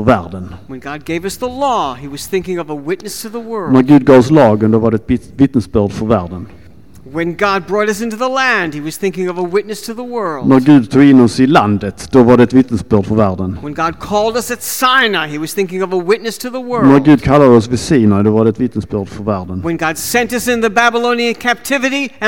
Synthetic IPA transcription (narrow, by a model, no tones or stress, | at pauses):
fɔɾvæːɾɖənwə̃nɡɑd̚ɡeɪvʌsðəlɔiwʌz̥θɪ̃ŋkɪ̃ŋʌvəwɪtⁿnɨstʰɨðəwɜ˞næɾɡʉ̟ːd̪̚ɡɑːvɔslɑːɡənd̪ɔvaɖɛɛt̪ɪvɪt̪nəsbœːɖ̪fɔɾvæːɾɖən | wɨ̃nɡɑd̚bɹɔɾʌsɪ̃ntʉðəlæ̃nd̥̚hiwʌz̥θɪ̃ŋkɪ̃ŋʌvəwɪtⁿnɨstʰɨðəwɜ˞lˠnæɾɡʉ̟ːd̪̚t̪ʰuːɡɪnːɔsɪland̪ət̪d̪̥ɔvaɖɛɛt̪vɪt̪nəsbœɖ̪fɔɾvæːɾɖənwə̃nɡɑd̚kʰɔlˠdʌsɨtsaɪnaiwʌz̥θɪ̃ŋkɪ̃ŋʌvəwɪtⁿnɨstʰɨðəwɜ˞næɾɡʉ̟ːd̪̚kʰalːad̪əɔsvɪsiːnəd̪ɔvaɖɛɛt̪vɪt̪nəsbœːɖ̪fɔɾvæːɾɖənwə̃nɡɑd̥sɛ̃ntʌsɨ̃nðɨbæbəlõʊ̃niɨ̃nkʰæp̚tʰɪvɨɾiɨ